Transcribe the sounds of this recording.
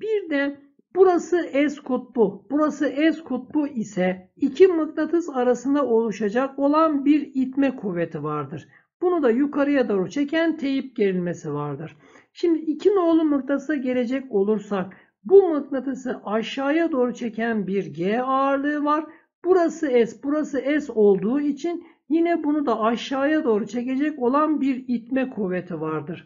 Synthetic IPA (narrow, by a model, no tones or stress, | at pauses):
b̥iɾd̪æ | b̥uɾasɯʔɛzkʰut̪̚bub̥uɾasɯɛzkʰut̪̚bˠuʔisɛicʰimɯknat̪ʰɯzaɾasɯnd̪ao̞lˠuʃad͡ʒako̞lˠanbiɾit̪mɛkʰuvːet̪ʰivaɾd̪ɯɾ̥ | b̥unud̪ajukʰaɾɯjad̪oːɾut͡ʃʰe̞cʰænt̪ʰe̞jip̚ɟe̞ɾilʲme̞sivaɾd̪ɯɾ̥ | ʃimd̪iicʰino̞ːlˠumɯk̚t̪ʰasaɟe̞lʲe̞d͡ʒɛco̞lˠuɾsak̚ | bumɯknat̪ʰɯsɯʔaʃːaːjad̪o̞ːɾut͡ʃʰe̞cʰænbiɾɟeaɾlˠɯɯvaɾ | b̥uɾasɯɛsbuɾasɯɛso̞lˠd̪uːit͡ʃʰin | jinɛbunud̪aaʃːaːjad̪o̞ːɾut͡ʃʰe̞ce̞d͡ʒɛco̞lˠanbiɾit̪mɛkʰuve̞t̪ʰivaɾd̪ɯɾ̥